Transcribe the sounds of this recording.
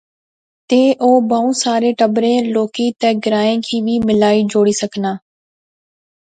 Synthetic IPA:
t̪eːʔoːbaːũːsaːɾeːʈəbɾẽːloːkiːt̪ɛːɡɪɾaːẽːkʰiːʋiːmɪlaːiːd͡ʒoːɽiːsəknaː

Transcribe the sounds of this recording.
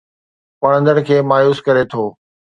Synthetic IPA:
pɐɽ̃ə̃nd̪əɽ̃kʰeːmaːjuːskɐɾet̪ʰoː

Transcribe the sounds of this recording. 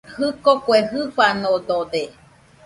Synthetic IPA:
hɨkokweɦɨɸʷanod̪od̪e

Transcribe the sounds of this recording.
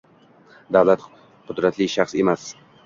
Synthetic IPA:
d̪avlat̪ | qʰʊd̪ɾat̪ʰlɪʃaχse̞mas

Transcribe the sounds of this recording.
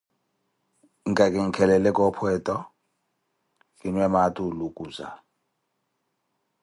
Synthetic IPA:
iŋkʼakʼiŋ̩kʰɛlɛlɛkʼɔpʰwɛtʼɔ | kʼinwɛmatʼulukʼuːza̰

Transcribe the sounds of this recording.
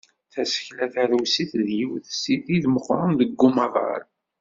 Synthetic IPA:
θæsə̥çlæθæɾwsiθðjiwθsiθiðməχɾˤɑnðəɡːumɑʁɑ̰ɾ

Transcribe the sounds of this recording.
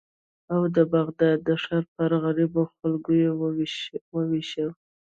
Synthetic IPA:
awd̪əbaɣd̪ɑd̪ːəʂɑɾpəɾɣaɾiboxalɡoje | wəwiʃəl

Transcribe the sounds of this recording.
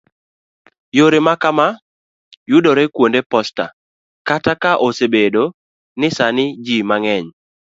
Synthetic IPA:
joɾemakama | jʊdɔɾekwondepɔsta̰ | katakaʔosebedo | nɪsanɪd͡ʒimaŋɛɲ

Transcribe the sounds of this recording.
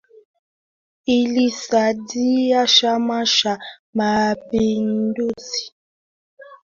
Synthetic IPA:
ilisadijaʃamaʃa | mapinduzi̥

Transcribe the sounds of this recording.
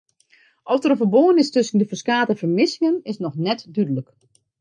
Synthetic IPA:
ʔɔftərovəboənɪstʏsən̩dəfəskaːtəfərmɪsɪŋənɪsnɔxnɛtdydələk

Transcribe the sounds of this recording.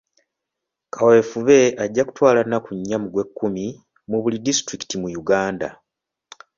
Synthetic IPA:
kʰawe̞ːfuβe̞ʔaɟːaku̥twaːlanakuɲːamuɡwe̞kːumi | muβulidistɾiki̥timujuɡaːnda̰

